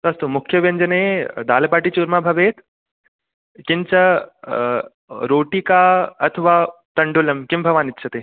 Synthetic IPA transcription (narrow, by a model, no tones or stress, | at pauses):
t̪ɐst̪umʊkʰjɐʋɐɲd͡ʒɐneːd̪aːlɐpaːʈit͡ʃuːɾmaːbʱɐʋeːt̪ | kint͡ʃɐ | ɾoːʈikaːɐt̪ʰʋaːt̪ɐɳɖulɐmkimbʱɐʋaːnit̪ːʃʰɐt̪eː